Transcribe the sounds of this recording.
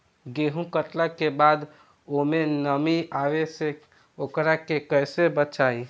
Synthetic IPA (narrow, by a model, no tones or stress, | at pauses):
ɡeɦũkəʈlakebad̪ | omenəmiaʋese | okɾakekəjsebət͡ʃai